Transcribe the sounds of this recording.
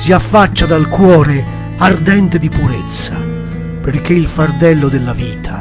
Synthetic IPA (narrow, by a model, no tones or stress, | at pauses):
siafːat͡ʃːad̪alkwɔːɾe | ard̪ɛnt̪ed̪ipuɾet̪sːa̰ | perk̟ːeilfard̪ɛlːod̪ɪlːaviːt̪ʰa